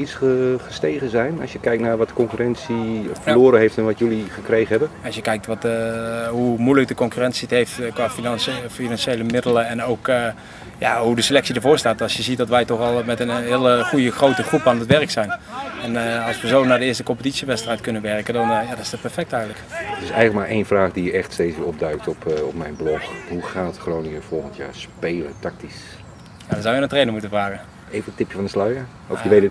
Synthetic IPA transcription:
itsχəχəstejχəzɛjnɑ̰sjəkɛjk̚tnaːɹʋɑtəkɔŋkyrɛnsifəloːɾənɦejftɛnʋɑtjɵliχəkrejχənɦɛbənɑsjəkɛjk̚tʋɑt | ɦumujlək̚dəkɔŋkyːrɛnsiətɦejftkʋaːffinɑnʃejləmɪdələɛnowkː | ja̰ɦudəsəlɛksidəɹvʊːɹstaːtɑlsjəzit̚dɑtʋɛjtɔχɑlˠmɛtənɦɪːləχujəχrowtəχrupaːnətʋɛrəksɛjnɛnəɑlˠsʋəzownaːdəɪːɹstəkɔmpətitsiʋɛtstrɛjtkɵnənʋɛɹkədɑnjadɑnɪ̥sdɔt̚pɛɹfɛk̚tɛjɣənləktɪsɛjələk̚maːɹʔejnvraːχdijɛχtstejtsʋɪːɹɔb̚dœɥk̚tɔpɔpmɛjnblɔxɦuχaːtχrownɪŋəv̥ɔlˠχəntja̰ːɹspejlətɑk̚tis | jadɑnzɔwjənəntrejnəŋmutənvraːɣən | ejvəətɪpjəvɑndəslœɥə | ɔfjəʋet

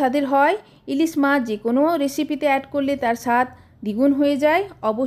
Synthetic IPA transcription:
ad̪eɾɦɔe | ilismad͡ʑekonoɾesipit̪eɛʈkoɾlet̪aɾʃat̪ʰ | d̪iɡunɦoed͡ʑaeɔbo

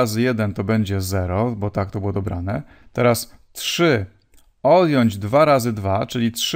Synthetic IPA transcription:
azɘjɛd̪ɛnt̪ɔbɛɲd͡ʑɛzɛɾɔbɔt̪ak̚t̪ɔbɘwɔd̪ɔbɾa̰nɛ | t̪ɛɾastʂɘ | ɔd̪jɔɲd͡ʑd̪vaɾazɘd̪vat͡ʂɘlʲitʂ

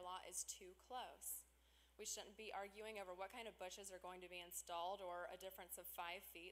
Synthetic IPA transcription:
lɔʔɪ̰z̥tʰʉkʰl̥oʊs | wiʃʊdⁿn̩b̥iʔɑɹɡjʉɪ̃ŋoʊvə˞wʌt̚kʰãɪ̃ndʌvbʊʃɨzə˞ɡoʊɪ̃ŋtʰɨbiɨ̃nstɔlˠdə˞ɨ̰dɪfɹɨ̃nsʌv̥faɪv̥fit

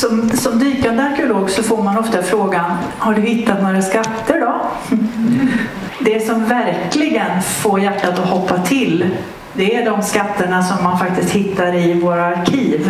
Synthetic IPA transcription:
sɔmsɔmd̪yːkand̪əaɾkɛʊloːɡsɔfoːɾmanɔft̪afɾoːɡanhaɖɵɦɪt̪ːat̪noːɾaskat̪ːəɖɔ | d̪ɛsɔmvæɾklɪɡənfoːɾjæʈːat̪ɔhɔpːat̪ʰɪl | d̪ɛæɖɔmskat̪ːəɳasɔmːanfak̚t̪ɪst̪hɪt̪ːaɾɪvoːɾaːɾkʰiːv

